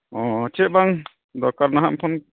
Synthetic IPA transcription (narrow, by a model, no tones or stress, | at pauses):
ɔ̃t͡ʃʰɛʔbaŋ | d̪ɔkaɾnaɦampʰɔn